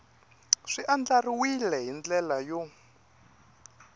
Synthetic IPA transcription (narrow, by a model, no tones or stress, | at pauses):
ʂiʔand͡ɮariwilɛɦind͡ɮɛlajɔ